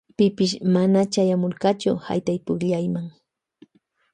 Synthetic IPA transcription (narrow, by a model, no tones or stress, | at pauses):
pɪpɪʃmanat͡ʃajamoɾkɑt͡ʃʊha̰jt̪ajpʊkʎajmaŋ